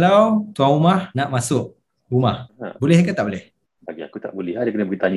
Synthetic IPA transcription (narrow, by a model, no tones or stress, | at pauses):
lawt̪uaŋumahnaʔmasʊʔ | umahbolɛhikat̪aʔbolɛh | baɡia̰kut̪a̰ʔbolɛhadakənəbəɡit̪aɲ